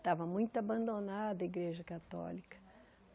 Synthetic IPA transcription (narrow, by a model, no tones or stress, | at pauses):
t̪avɐmũj̃t̪ʊabɐ̃nd̪onad̪ɐiɡɾeʒɐkat̪ɔ̰likɐ̥